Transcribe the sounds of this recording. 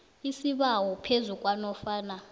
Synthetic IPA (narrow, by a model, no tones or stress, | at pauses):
isiɓawɔpʰezukʼwanɔfaːna